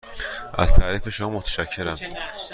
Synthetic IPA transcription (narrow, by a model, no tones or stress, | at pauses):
ʔæ̰z̥t̪ʰæːɾiːfeʃomɒmːot̪ʰæ̥ʃæcʰːeɾæm